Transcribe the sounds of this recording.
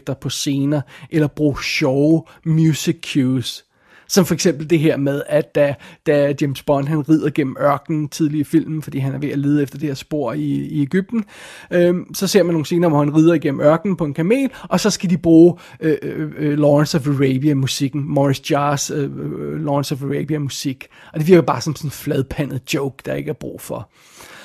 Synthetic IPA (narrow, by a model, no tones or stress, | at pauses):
ɡ̥̚d̥ɐpʰɒ̽se̝ːnɐʔelɐb̥ʁṵːɕɒʊ | mjusiɡʰjusː | ɒ̽mfɒ̽eɡ̥sem̰b̥l̩d̥e̝ɦeɐ̰með̞ˠæd̥d̥æd̥ædjemsb̥ɒ̽nɦænʁið̞ˠɐɡ̥en̰m̩ɶɐɡ̥nn̩t͡sʰið̞ˠliɐfil̰mn̩fɒ̽d̥ḭːɦænæɐʋe̝æleːð̞̩ˠefd̥ɐd̥e̝heɐ̰sb̥o̝ɐ̰iːeɡ̥yb̥̚d̥n̩øsɒ̽se̝ɐ̰mæno̝ːn̩se̝ːnɐʋɒhænʁiːð̞ˠɐiɡ̥en̰m̩ɶɐɡ̥nn̩pʰɒ̽e̝nkʰæme̝̰ːlɒ̽sɒ̽sɡ̥æd̥ib̥ʁuː | ølɒʁɛnsɒfəʁeɪbiæmusiɡ̥n̩mɒʁisd̥jɑːs | lɒnsɒfʁeb̥iæmusiɡ̥ɒ̽d̥e̝ʋiɐɡ̥ɐbɑ̈ːsɒ̽msɒnnflɛð̞ˠpʰæn̰ð̩ˠd̥joʊɡ̥d̥ɑ̈e̝ɡ̥æɐb̥ʁṵːfɒ̽